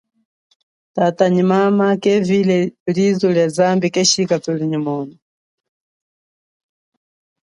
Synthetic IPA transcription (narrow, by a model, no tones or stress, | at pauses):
tataɲimamakɛvilɛlizuljazambikɛʃikatuliɲimɔːnɔ